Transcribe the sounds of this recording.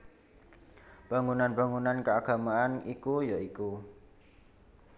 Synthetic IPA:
b̥a̤ŋunanbaŋunankəaɡ̥a̤maʔanikujaiku

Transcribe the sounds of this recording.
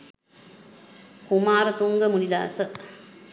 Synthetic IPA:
kumaːɾɐt̪uŋɡəmulid̪a̰ːsə

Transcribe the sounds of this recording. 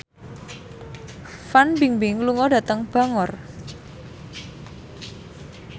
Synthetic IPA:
fanbiŋbɪŋluŋɔdä̤t̪əŋb̥a̤ŋɔr

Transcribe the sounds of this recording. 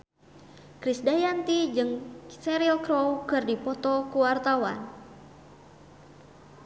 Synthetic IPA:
kɾisdajant̪id͡ʒɨŋsɛɾilkɾowkɨrdipɔt̪ɔkuwart̪awa̰n

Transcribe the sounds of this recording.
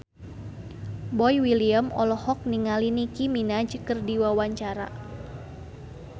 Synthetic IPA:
bɔjwiliəmɔ̰lɔhɔk̚niŋalinikiminad͡ʒkərdiwawaɲt͡ʃaɾa̰

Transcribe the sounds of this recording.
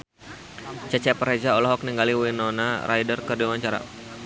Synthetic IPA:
t͡ʃat͡ʃɛpəɾed͡ʒaɔlɔɦɔk̚niŋɡaliwinɔnaɾʔa̰jdərkərdiawaɲt͡ʃaɾa̰

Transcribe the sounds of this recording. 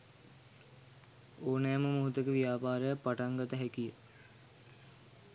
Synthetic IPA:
oːnæːməmuɦut̪əkəʋijaːpaːɾəjəpaʈaŋɡət̪əɦækijə

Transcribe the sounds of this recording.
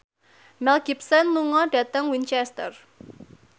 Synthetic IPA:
mɛlɡ̥ipsənluŋɔɖ̥ä̤t̪əŋwint͡ʃɛst̪ər

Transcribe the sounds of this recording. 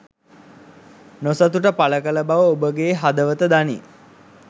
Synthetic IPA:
nosat̪uʈəpaləkələbaʋəobəɡeːɦad̪əʋət̪əd̪anḭ

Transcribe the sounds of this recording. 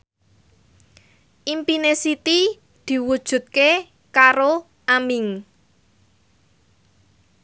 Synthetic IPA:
ʔimpinesit̪i | d̪̥i̤wud̥ʒ̥ṳt̪̚ke | kaɾo | ʔamɪŋ

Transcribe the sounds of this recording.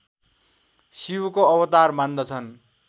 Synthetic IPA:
siwukoʌwʌt̪armand̪ʌt͡sʰʌn

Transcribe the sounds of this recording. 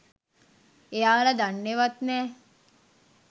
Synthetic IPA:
eaːlad̪anːeʋat̪nɛː

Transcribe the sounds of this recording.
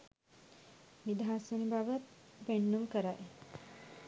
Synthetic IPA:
nid̪aɦasunibaʋət̪beɳːumkəɾaj

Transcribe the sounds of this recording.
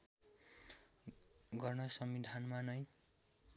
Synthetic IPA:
ɡʌrnʌsʌmbid̪ʱanmanʌj

